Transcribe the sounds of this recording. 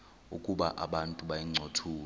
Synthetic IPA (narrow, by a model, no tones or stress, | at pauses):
ṵkʼuɓaʔa̰ɓantʼuɓajiŋ͡ǀʱotʰuː